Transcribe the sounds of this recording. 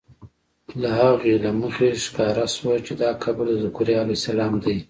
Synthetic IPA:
lahaɣelaməxeʃɪ̥kɑɾaswat͡ʃed̪ɑkʰabɽd̪əzʊkuɾjɑlosalɑːmd̪aj

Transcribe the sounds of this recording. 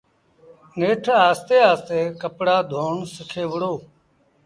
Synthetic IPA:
neːʈʰaːst̪eːaːst̪eːkəpɽaːd̪ʱoːɳsəkʰeːʋəɽoː

